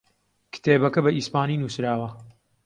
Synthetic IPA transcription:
kʰɨ̥t̪ʰeːbɐkɐbɐʔispaːniːnuːsɾaːwɐ

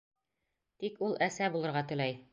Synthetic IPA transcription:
t̪ikulˠʔæsæbulˠɤ̆ɾʁɑt̪ɵ̆læj

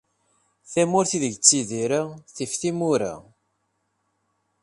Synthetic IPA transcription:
θæmʊɾθiðəʝət͡sːiðiɾaθifθimʊɾa̰

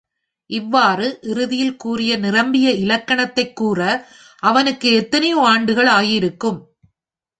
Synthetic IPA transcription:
ʔɪʋːaːrɯʔɪɾɯðɪjɪlkuːrɪjɐnɪrɐmbɪjɐɪlɐkːɐɳɐt̪ːɐɪkːuːrɐ | ʔɐʋɐnɯkːɯɛt̪ːɐnɐjoaːɳɖɯɣɐɭaːjɪɾɯkːɯm

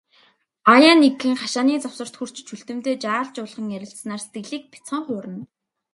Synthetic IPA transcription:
ajaːneɡxɘ̆ŋχaʃaːniːt͡sawsə̆r̥t̪xur̥t͡ɕt͡ɕʰuɬt̪ɘ̆m̥t̪eːt͡ɕaːɮt͡ɕʊːɮʁə̆ŋjæɾʲɪ̆ɬsnaːrse̥t̪ɡɘ̆ɮiːk̚pʰi̥t͡sɔŋχʊːɾə̆n

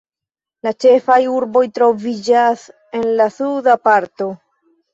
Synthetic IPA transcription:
lat͡ʃe̞fajuɾbo̞jtɾo̞vid͡ʒas | e̞nlasudapaɾto̞

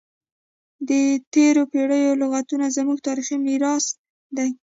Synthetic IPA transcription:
d̪ət̪eɾopeɽəjolʊɣat̪unazəmuɡ̚t̪ɑɾiximiɾɑs | d̪aj

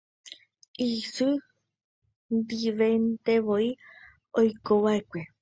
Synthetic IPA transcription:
isɨ | nd̪iʋent̪e̞ʋoi | ojkoʋaekʷe

